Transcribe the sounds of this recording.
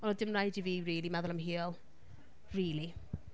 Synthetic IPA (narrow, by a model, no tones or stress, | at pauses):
ɔnɔdɪmrajdiviːriːlˠimɛðʊlˠəmɦiɔlˠ | riːlˠi